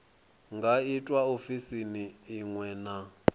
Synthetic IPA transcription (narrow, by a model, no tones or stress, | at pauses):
ŋɡʱaitʼwaofisiniːŋwɛna